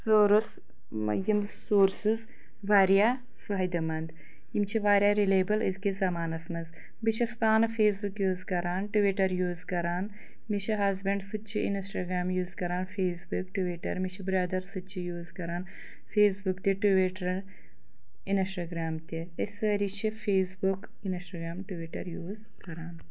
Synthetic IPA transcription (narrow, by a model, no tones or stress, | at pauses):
soːɾus | jimsoːɾsiz | ʋaːɾijaː | faːjd̪ɐmɐnd̪ | jimt͡ʃʰiʋaːɾjaɾileːbɐlizkizɐmaːnɐsmɐz | bit͡ʃʰɐspaːnfeːsbukjuːzkɐɾaːnʈuʋiʈɐɾjuːzkɐɾaːn | mit͡ʃʰiɦɐzbɐɳɖsutt͡ʃʰiʔḭnsʈaːɡɾaːmjuːzkɐɾaːnfʰeːsbukʈuʋiʈɐ̰ɾmit͡ʃʰibɾɐd̪ɐɾsut͡ʃʰijuːzkɐɾaːn | feːsbukt̪iʈuʋiʈɾ | insʈaːɡɾaːmt̪i | esɐɾit͡ʃʰifʰeːsbuk | insʈaɡɾaːmʈuʋiʈɐ̰ɾjuːz | kɐɾaːn